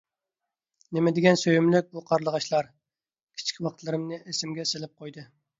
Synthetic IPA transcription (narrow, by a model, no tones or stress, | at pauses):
nɪmɪd̪ɪɡʲɛnsøjymlɪk̚ʲbuqʰɑɾlˠəʁɑʃlˠɑɾ | kʲʰi̥t͡ʃʰi̥kʲʰwɑqt̪ʰlˠɨɾɨmnɨʔesɪmɡʲɛselɪp̚qʰojd̪ɨ